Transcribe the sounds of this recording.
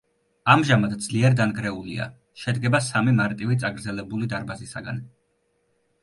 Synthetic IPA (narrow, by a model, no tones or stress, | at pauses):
amʒamad̪d̪zliɛɾd̪anɡɾɛulḭa̰ | ʃɛd̪ɡɛbasamimaɾt̪ʼivit̪sʼaɡɾd̪zɛlɛbulid̪aɾbazisaɡa̰n